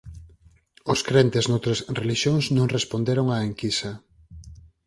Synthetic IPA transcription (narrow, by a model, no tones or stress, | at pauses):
ʊskɾent̪eznowt̪ɾɐsreliʃjoŋsnõŋrespond̪eɾoŋaeŋkisɐ